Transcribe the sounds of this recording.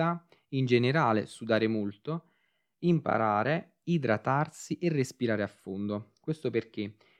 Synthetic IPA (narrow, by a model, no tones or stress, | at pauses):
a | ind͡ʒeneɾaːlḛsud̪aːɾemolt̪o | impa̰ɾaːɾe | id̪ɾat̪arsiʔerːespiɾaːɾeafːond̪okwest̪operk̟e